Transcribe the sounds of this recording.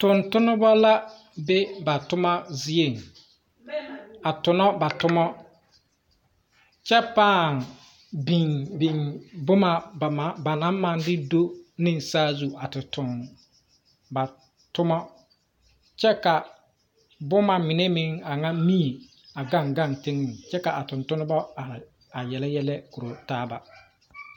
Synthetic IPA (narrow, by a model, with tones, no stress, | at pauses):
tʊ˨ntʊ˦nʊ˦bɔ˦la˦ | be˦ba˨tʊ˦ma˦zi˦e˦˨ŋ | a˨tʊ˨nɔ˦ba˨tʊ˦mɔ˦ | t͡ʃɛ˦paː˦˨ŋ | bi˨ŋbi˨ŋbʊ˦ma˨ba˨˦ba˨na˨˦ma˨ndɪ˦do˦nɪ˦n˨saː˦zu˦ʔa˨tɪ˨tʊ˨n | ba˨ | tʊ˦mɔ˦ | t͡ʃɛ˦ka˨ | bʊ˦ma˨mɪ˨ne˦mɪ˦ŋa˨ŋa˦mi˦˨ | a˨ɡa˦ŋɡa˦˨ntɪ˦ŋːɪ˨ŋt͡ʃɛ˦ka˨ʔa˨tʊ˨ntʊ˦nʊ˦bɔ˦a˨ | a˨jɛ˨lɛ˦jɛ˦lɛ˦ku˨ɾo˨taː˦ba˦